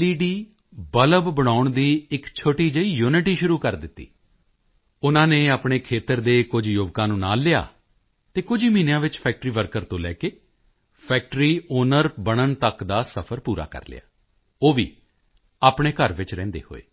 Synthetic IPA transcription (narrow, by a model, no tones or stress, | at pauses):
liːɖiː | bələbbəɽ̃aːʊɳd̪iːɪkt͡ʃʰoːʈiːd͡ʒəiːjuːnɪʈiːʃʊɾuːkəɾd̪ɪt̪ːḭː | ʊnãːneːaːpɽ̃eːkʰeːt̪əɾd̪eːkʊd͡ʒjʊʋkãːnũːna̰ːlɪja̰ː | t̪eːkʊd͡ʒiːmiːnjãːʋɪt͡ʃpʰɛːk̚ʈɾiːʋəɾkəɾt̪õːlɛ̰ːkeː | pʰɛːk̚ʈɾiːoːnəɾbəɽ̃ənt̪əkd̪aːsəpʰəɾpuːɾa̰ːkə̰ɾlɪ̰ja̰ː | oːʋḭː | aːpɳeːkəɾʋɪt͡ʃɾɛ̃ːnd̪ḛːho̰ːḛː